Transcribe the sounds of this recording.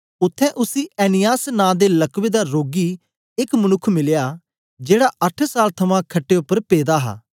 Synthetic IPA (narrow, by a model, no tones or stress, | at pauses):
ʊt̪ʰːɛ̃ːʔʊsiːɛːnɪjaːsnãːd̪eːləkʋeːd̪aːɾoːɡiː | ɪkmənʊkʰmɪljaː | d͡ʒeːɽaʔəʈʰsaːlt̪ʰɐmãːkʰəʈːeːʊpːəɾpeːd̪aːɦa̰ː